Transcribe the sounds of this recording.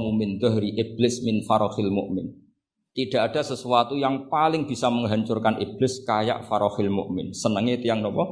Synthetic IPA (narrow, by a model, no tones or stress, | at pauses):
mumɪnd̪aɦɾiʔib̥lɪsmɪnfaɾɔxɪlmʊ̰ʔmɪn | t̪iɖ̥a̤ʔaɖ̥a̤səsuat̪ujaŋpalɪŋb̥i̤saməŋɦaɲt͡ʃʊrkanʔib̥lɪskaja̰ʔfaɾɔxɪlmʊ̰ʔmɪ̰nsənəŋet̪ijaŋnɔpɔ